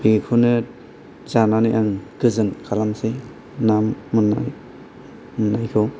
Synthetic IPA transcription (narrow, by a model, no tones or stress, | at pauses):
bikʰunɯ | zananijʔaŋɡ̥ɯzɯnkʰalamse | namːuna̰j | mnːajkʰɯw